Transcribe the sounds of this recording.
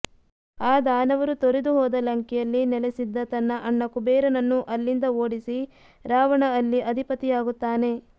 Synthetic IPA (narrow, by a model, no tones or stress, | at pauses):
aːd̪aːnɐʋɐɾut̪oɾed̪uɦɔːd̪ɐlɐŋkɛjɐlːinɛlesid̪ːɐt̪ɐnːɐʔɐɳːɐkubeːɾɐnɐnːuʔɐlːind̪ɐoːɽisi | ɾaːʋɐɳɐːlːiɐd̪ʱipɐt̪ːijaːɡut̪ːaːne̞